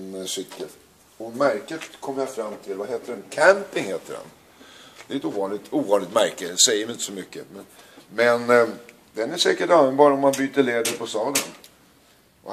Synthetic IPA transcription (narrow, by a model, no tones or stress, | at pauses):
nsʏkːəl | ɔmæɾkət̪kʰɔmːəjafɾamːt̪ʰɪlvaɦeːt̪əɖɛnkʰæmpɪŋheːt̪əɖɛ̰n | d̪̥ɛɪnt̪əuːvɑːnlɪt̪uːvɑːnlɪɡt̪mæɾkəsɛjəmɪɪnt̪əsɔmʏkːəmɛn | mɛn | d̪ɛnæʂɛːkəʈalvənbɑːɾaɔmːanbyːt̪əɭeːd̪əɾpʰɔst̪ɑːlən | ʔɔ̰